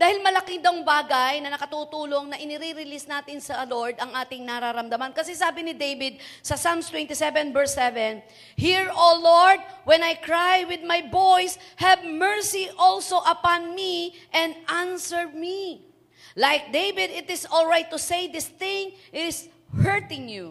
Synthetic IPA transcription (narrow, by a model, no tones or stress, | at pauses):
d̪aːhɪlmɐlɐkiŋd̪ɐwŋbaːɡajnɐnɐkɐt̪uːt̪uːlo̞ŋnɐʔɪnɪɾiɾɪlist̪naːt̪ɪnsɐloɹd̪ɐŋʔaːt̪ɪŋnɐɾaɾɐmd̪ɐmankɐsɛsaːbɪnɪd̪ejvɪd̪̚sɐsamst̪wɛnt̪ɪsɛvɛnbɛɹsɛvɛn | hiɹoloɹd̪̚wɛnajkɹajwɪd̪̚majbojs | hɛvmɛɹsiʔolsoʔɐpanmi | ʔɛ̃nd̪ʔansɛɹmi | lajk̚d̪ejvɪd̪ɪt̪ɪsolɹajt̪ːʊsejd̪ɪst̪ɪ̃ŋʔɪs | hɛɹt̪ɪ̃ŋju